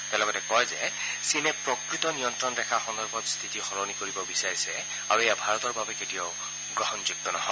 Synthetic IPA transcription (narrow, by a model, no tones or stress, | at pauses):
tɛlɔɡɔtɛkɔjzɛ | sinɛpɹɔkɹitɔniɔntɹɔndɛkʰaxɔndɔɹbʱɔtst̪ʰitixɔɹɔnikoɹibɔbisaɹisɛ | aɹuejabʱaɹɔtɔɹbabɛketijɔʊ | ɡɹɔɦɔnzuk̚tɔnɔɦɔ